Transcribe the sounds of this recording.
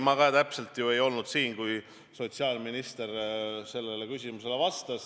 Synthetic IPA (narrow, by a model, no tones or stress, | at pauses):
mɑɡɑt̪æpse̞lt̪ˑjue̞jo̞lnud̪̥siːnkuj | so̞t̪siɑlminist̪e̞rse̞lːe̞le̞kysʲimuse̞le̞vɑst̪ɑs